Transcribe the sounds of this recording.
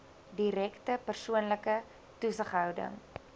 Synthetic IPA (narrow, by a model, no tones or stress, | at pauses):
diɾɛktəpərsuənləkə | tusəχɦœwdə̰ŋ